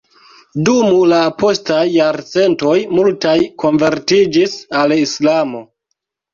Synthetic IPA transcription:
dumulapo̞stajːaɾt͡se̞nto̞jmultajkʰo̞nve̞ɾtid͡ʒisalislamo̞

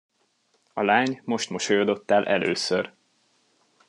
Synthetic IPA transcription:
ɒlaːɲmo̞ʃt̪moʃojod̪o̞t̪ːaːlʔɛlø̰ːsør

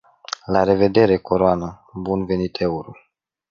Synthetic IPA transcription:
laɾe̞ve̞d̪e̞ɾe̞koɾoanə | bunve̞nit̪ʰe̞uɾu

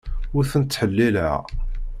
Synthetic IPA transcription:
ʊɾθənət̪ːħəlːilæ̰

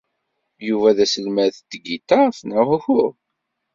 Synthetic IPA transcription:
juvæðæsəlmæθt̪ːɡit̪aθnæʁʊçʊɾ

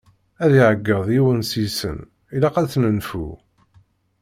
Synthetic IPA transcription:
æðiʕəɡːəðˤjiwənsisə̰n | ilæqæt͡sːnənfṵ

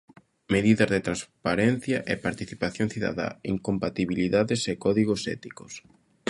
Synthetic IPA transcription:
meðiðɐzðet̪ɾanspaɾɛn̟θjɐʔepaɾt̪iθipaθjoŋθiða̰ða̰iŋkompat̪iβiliðaðesekɔðiɣosɛ̰t̪ikos

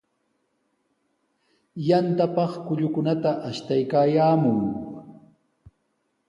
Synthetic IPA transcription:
jant̪apɑχkʊʎʊkʊnat̪aʔaʃt̪ajkaːjaːmʊŋ

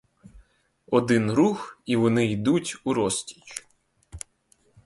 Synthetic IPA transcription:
ɔd̪ɪnɾuxiʋɔnɪid̪utʲuɾɔsʲtʲi̥t͡ʃ

